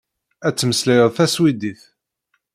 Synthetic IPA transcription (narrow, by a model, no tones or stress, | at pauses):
æt͡sːməslæjəðˤθæswid̪iθ